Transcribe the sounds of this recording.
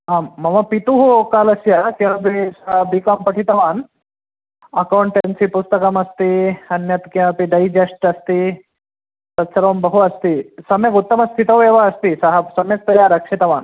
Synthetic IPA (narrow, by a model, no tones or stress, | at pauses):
ɦaːmːɐʋɐpit̪uɦukaːlɐsjakeɐbisɐɦɐbikaːmpɐʈʰit̪ɐʋaːn | ɐkɐwɳʈensipust̪ɐkɐmɐst̪iɐnjɐt̪keɐpiɖɐjd͡ʒɐsʈɐst̪i | sɐt̪sʰɐɾʋɐmbɐɦuɐst̪isɐmjɐk̬ut̪ːɐmɐst̪ʰit̪ɐʋeːʋaɐst̪isɐɦɐsɐmjɐk̚p̪ɐjaːɾɐkʂit̪ɐʋaːn